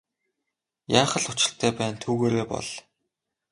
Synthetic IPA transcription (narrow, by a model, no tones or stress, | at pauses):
jaːχə̆ɮʊt͡ɕɪ̥̆ɬt̪ʰæːpæːnt̪ʰuːɣeːɾeːpɔ̰ɮ̥